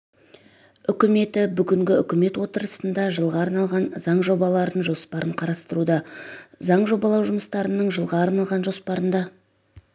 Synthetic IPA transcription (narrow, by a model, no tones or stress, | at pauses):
ʏkʲɪme̞t̪ɪbʏɡʲɪŋɡʲɪʏkʲɪme̞t̪wo̞t̪əɾəsənd̪ɑʒəlˠʁɑːɾnɑlˠʁɑnzɑɴʒo̞bɑlˠɑɾənʒo̞spɑɾəɴqʰɑɾɑst̪əɾud̪ɑzɑɴʒo̞bɑlˠɑwʒʊməst̪ɑɾənəɴʒəlˠʁɑːɾnɑlˠʁɑnʒo̞spɑɾənd̪ɑ